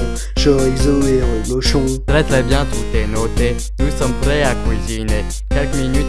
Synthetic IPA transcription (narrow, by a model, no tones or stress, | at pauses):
ʒɔɛɡzɔɛʁəmɔʃɔ̃t̪ʁɛt̪χɛbjɛ̃t̪ut̪enot̪e | nusɔmpχɛakwizine | kʲɛlkminyt̪